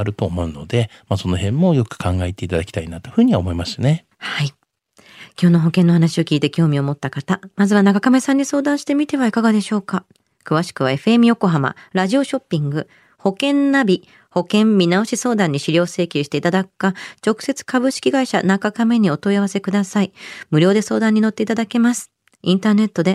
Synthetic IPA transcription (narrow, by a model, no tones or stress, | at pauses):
aɾɯ̟t̪oːmo̞ɯ̟no̞̰d̪e̞maso̞no̞ɦẽ̞mːo̞jo̞kɯ̟̥kʰãŋɡaet̪e̞it̪ad̪akʲt̪ainat̪oɸɯ̟ːɲ̟iβaomo̞imaɕɨ̥ane̞ | hai | kʲo̞ːno̞ɦo̞kẽnːo̞ɦanaɕio̞kʲiːt̪e̞kʲo̞ːmʲio̞mo̞t̪ːakat̪amazɨβanakakame̞sãɲ̟ːiso̞ːd̪ãɰ̃ɕi̥t̪e̞mʲit̪e̞βaikaɡad̪e̞ɕo̞ːka | kɯ̟βaɕi̥kɯ̟β̞ae̞ɸɯ̟emʲijo̞ko̞ɦama̰ɾaʑio̞ɕo̞pʲːĩŋɡɯ̟ | ho̞kẽ̞nːabʲi | ho̞kẽ̞mbʲinao̞ɕiso̞ːd̪ãɲ̟ːiɕiɾʲo̞ːse̞ːkʲɨɕi̥t̪e̞it̪ad̪akɯ̥kːat͡ɕo̞kɯ̟̥se̞t͡sɨ̥kabɯ̟ɕi̥kʲiɡaiɕa̰nakakame̞ɲ̟io̞t̪o̞iaβase̞kɯd̪asaimɯ̟ɾʲo̞ːd̪e̞so̞ːd̪ãɲ̟ːino̞t̪ːe̞it̪ad̪ake̞masɨ̥ | ĩnt̪aːne̞t̪ːo̞d̪e̞